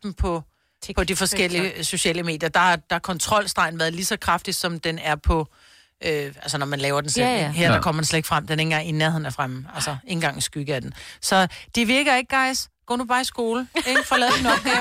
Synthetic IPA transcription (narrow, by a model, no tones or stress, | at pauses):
dm̩pʰɒ̽ | pʰɒ̽d̥ifɒ̽sɡ̥el̰iəso̝ɕɛ̰ːləme̝̰ːd̥jɐd̥ɑ̈ɑd̥ɑɑkʰɒ̽nt͡sʰʁɒ̽l̰sd̥ʁɑ̈ɪn̩ʋæɐðˠlisɒ̽kʰʁɑ̈fd̥id̥sɒ̽md̥enæɐpʰɒ̽ | ʔøælsənɒmænlɛːʊɐd̥enselɦæɐ̰d̥ɑkʰɒ̰̽ɐd̥ensled̥e̝ɡ̥fʁam̰d̥ene̝ŋɐinæɐheð̰ˠnæɐfʁamælsɐe̝nŋ̩ɡ̥ɑ̈ŋ̰n̩sɡ̥yɡ̥əæd̥en̩sɒ̽d̥iʋiɐɡ̥ɐe̝ɡ̥̚ɡ̥ɑ̈ɪsɡ̥ɔ̰ːnub̥ɑ̈ːisɡ̥o̝ːleɡ̥fɒ̽lɛːðˠd̥inɔ